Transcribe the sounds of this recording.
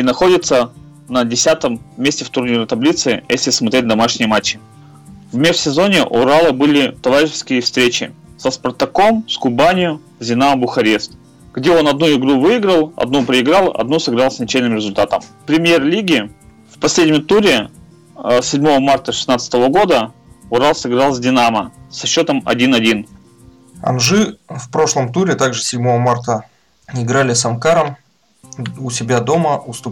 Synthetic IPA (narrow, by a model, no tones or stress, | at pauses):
inɐxo̞dʲɪt̪sə | nədʲɪsʲat̪əmːʲesʲtʲɪft̪ʊrnʲiɾt̪ɐblʲit̪sɨjʔḛsʲlʲɪsmɐt̪ɾʲet̚ʲd̪ɐmaʂnʲɪjəmat͡ɕːɪ | vmʲefsʲɪzo̞nʲɪʔʊɾalˠəbɨlʲɪt̪ɐvaɾʲɪʃɪskʲɪjəfst̪ɾʲet͡ɕɪ̰ | səspɐrt̪ɐko̞mskʊbanʲɪjʊ | zʲɪnabʊxɐɾʲest̪ | ɡ̥dʲeo̞nɐd̪nuɪɡɾuvɨɪɡɾəlˠɐ̰d̪nupɾʲɪɪɡɾalˠɐ̰d̪nusɨɡɾalˠsʲnʲɐt͡ɕejʲnɨmɾʲɪzʊlʲt̪at̪əmpɾʲɪmʲjerlʲiɡʲɪ | fpɐsʲlʲedʲnʲɪmt̪uɾʲɪ | sʲɪdʲmo̞vəmart̪əʂɨ̥snat̪sət̪əvəɡo̞d̪ə | ʊɾalˠsɨɡɾɑlˠzʲdʲɪnaməsɐɕːo̞t̪əmɐ̰dʲinɐdʲin | ɐ̰nʐɨfpɾo̞ʂlˠəmt̪uɾʲɪt̪aɡʐɨsʲɪdʲmo̞vəmart̪ə | ɪɡɾalʲɪsɐmkaɾəm | ʊsʲɪbʲad̪o̞məʔʊst̪ʊ